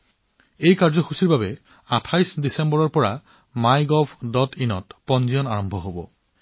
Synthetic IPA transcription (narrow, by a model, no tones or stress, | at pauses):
ejkaɹzɔxusiɹbabɛ | atʰajsdisɛmbɔɹɔɹpɔɹa | majɡɔbʱdɔtʰinɔtpɔnzijɔnaɹɔmbʱɔɦobɔ̰